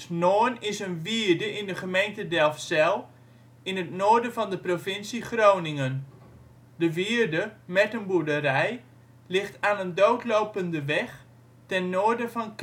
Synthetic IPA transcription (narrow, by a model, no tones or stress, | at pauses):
noːnɪsənʋiəɹdəʔɪndəχəmejntədɛlˠfsɛlˠ | ɪnətnoːɹdənvɔndəprovɪnsiχrownɪŋən | dəʋiəɹdəmɛtənbudərɛj | lɪχtaːnəndowtlowpəndəʋɛχ | tɛnːoːəɹdəfɔnk